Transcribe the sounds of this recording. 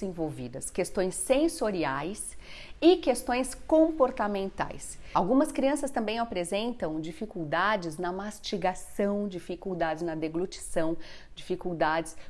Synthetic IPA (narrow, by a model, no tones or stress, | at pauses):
ẽvowvid̪ɐskest̪õj̃sːẽsoɾiajsɪkest̪õj̃skõpoɾt̪amẽnt̪a̰jsawɡũmɐskɾiɐ̃sɐst̪ɐ̃mbẽj̃apɾezẽnt̪ɐ̃w̃d͡ʒifikuwd̪ad͡ʒɪznɐmast͡ʃiɡasɐ̃w̃d͡ʒifikud̪ad͡ʒɪznɐd̪eɡlut͡ʃi̥sɐ̃w̃ | d͡ʒifikuwd̪ad͡ʒɪs